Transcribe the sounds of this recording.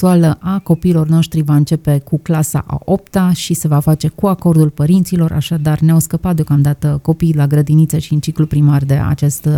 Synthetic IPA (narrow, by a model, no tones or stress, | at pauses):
ualəʔako̞piːlo̞rno̞ʃt̪ɾivaɨnt͡ʃe̞pe̞kuklasa̰ʔa̰op̚t̪aʃise̞vafat͡ʃe̞kuako̞rd̪ulpəɾint̪silo̞rʔa̰ʃad̪arneawskəpat̪d̪eokamd̪at̪əko̞pijlaɡɾəd̪init̪səʃiɨnt͡ʃiklupɾimard̪e̞̰a̰t͡ʃe̞st̪